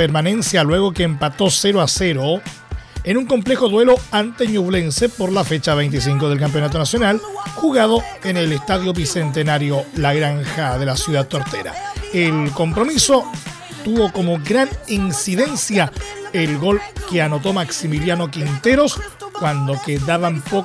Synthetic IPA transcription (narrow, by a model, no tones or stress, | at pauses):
peɾmanẽ̞nsjalwe̞ɣo̞keːmpat̪o̞seɾoase̞ɾo | enuŋko̞mplexo̞ðwe̞loant̪eɲuβle̞nse̞poɾlafe̞t͡ʃaβ̞e̞jnt̪is̬iŋkoð̞e̞lk̬amp̬jo̞nat̪̬o̞nasjo̞nalxuɣað̞o̞ | enelest̪aðjo̞βise̞nt̪enaɾjolaɣɾaŋxaðe̞lasjuðat̪ːoɾt̪eɾa̰elko̞mpɾo̞miso̞ | t̪uβo̞ko̞moɡɾaninsiðe̞nsjaelɣo̞lke̞ano̞t̪̬o̞maksimiljano̞kint̪e̞ɾo̞skwand̪o̞keðaβampo